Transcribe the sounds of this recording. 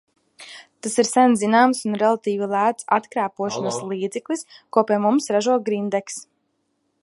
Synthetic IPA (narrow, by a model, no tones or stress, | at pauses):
t̪asiɾsænzinaːmsunɾɛlˠat̪iːvilˠæːt̪sat̪kɾaːpuɔʃɔnslˠiːd̪zɛklˠiskuɔpʲiɛmumsɾaʒuɔɡɾind̪ɛks